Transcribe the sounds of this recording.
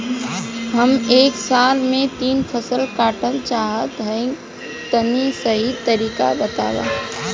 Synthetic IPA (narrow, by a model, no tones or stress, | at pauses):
ɦəmeːksaːlmẽt̪iːnpʰəsəlkaːʈəlt͡ʃaːɦət̪ɦə̃ɪ̃ŋ | t̪ənisəɦit̪əɾiːka̰bət̪a̰ːwa̰ː